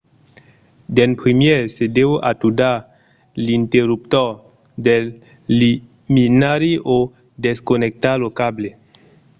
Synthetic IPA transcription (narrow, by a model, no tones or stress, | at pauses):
d̪enpɾimjeɾsedewʔat̪uda | lint̪eɾup̚t̪ɔ | d̪elː | i | minaɾiʔo | d̪eskonek̚t̪alokable